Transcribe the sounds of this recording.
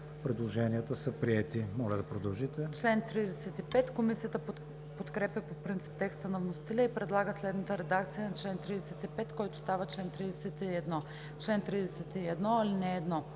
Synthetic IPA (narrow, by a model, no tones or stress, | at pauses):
pɾɛd̪lˠoʒɛniət̪əsəpɾiɛt̪imɔlʲɐd̪ɐpɾod̪ɐlˠʒit̪ɛt͡ʃlɛnt̪ɾid̪ɛsɛt̪ipɛt̪komisijət̪ə | pot̪kɾɛpjəpopɾint̪si̥p̚t̪ɛkst̪ənɐvnost̪ilʲəipɾɛd̪lˠaɡəslɛd̪nət̪əɾɛd̪akt̪sijənɐt͡ʃlɛnt̪ɾid̪ɛsɛt̪ipɛt̪kɔjt̪ʊ̥st̪avət͡ʃlɛnt̪ɾid̪ɛsɛt̪iɛd̪nɔ | t͡ʃlɛnt̪ɾid̪ɛsɛt̪iɛd̪nɔɐlinɛːd̪nɔ